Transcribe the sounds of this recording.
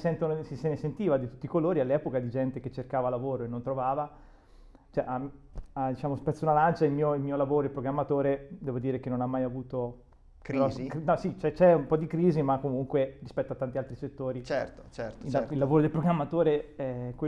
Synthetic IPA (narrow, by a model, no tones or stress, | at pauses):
sɛnt̪onsisenesent̪iːvad̪it̪u̥t̪ːikoloːɾialːɛːpokad̪id͡ʒɛnt̪ek̟et͡ʃːerkaːvalavoːɾoenːont̪ɾovaːva | t͡ʃɛʔaad̪it͡ʃaːmospɛt̪sːunalant͡ʃailmiːoilmiːolavoːɾoeilpɾoɡɾamːat̪oːɾed̪ɛːvod̪iːɾekenːonamːajavuːt̪o | kknɔsit͡ʃɛt͡ʃɛumpɔd̪ikɾiːzimakːomuŋkweɾispɛt̪ːoat̪ːant̪ialt̪ɾiset̪ːoːɾit͡ʃɛrt̪o̥t͡ʃɛrt̪ːailːavoːɾod̪elpɾoɡɾamːat̪oːɾeɛkwe